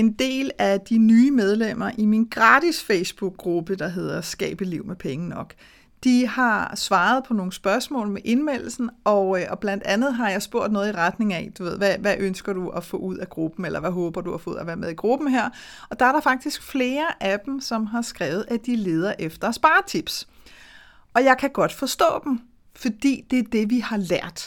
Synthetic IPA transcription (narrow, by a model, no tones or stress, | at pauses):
e̝nd̥e̝̰ːlæd̥inyːmeð̞ˠlem̰ɐʔiminɡ̥ʁɑ̈ːd̥isfeɪsb̥uɡ̥̚ʁub̥əd̥ɑ̈ɦe̝ð̞̰ˠɐsɡ̥ɛ̰ːb̥əliʊ̰mepʰeŋənɒ̽ɡ̥ | d̥ihɑ̈sʋɑ̈ːð̞̩ˠpʰɒ̽no̝ːŋ̩sb̥ɶɐsmɔ̰ːlmeʔe̝nmel̰l̩sn̩ɒ̽ʔɒ̽b̥læn̰d̥ænð̩ˠɦɑ̈jɑ̈ɪsb̥o̝ɐ̰d̥nɔ̽ːð̞̩ˠiʁad̥ne̝ŋæd̥uʋe̝ð̰ˠʋæʋæʔønsɡ̥ɐduæfɔ̰̽uð̞̰ˠæɡ̥ʁub̥m̩elɐʋæɦɔ̽ːb̥ɐd̥uhɑ̈fɔ̰̽uð̩ˠæʋæːɐmeðˠiɡ̥ʁub̥m̩ɦeɐ̰ | ɒ̽d̥ɑ̈æɐɾɑ̈fɑ̈ɡ̥̚d̥isɡ̥fle̝ːɐʔæd̥m̩sɒ̽mɦɑ̈sɡ̥ʁɛːʊð̞̩ˠʔæd̥ile̝ːð̞ˠɐʔefd̥ɐsb̥ɑ̈ːt͡sʰib̥s | ɒ̽jɑ̈ɪkʰæɡ̥ɒ̽d̥fɒ̽sd̥ɔ̰̽ːd̥em̩ | fɒ̽d̥ḭːd̥e̝æɐd̥e̝ʋihɑ̈læɐ̰d̥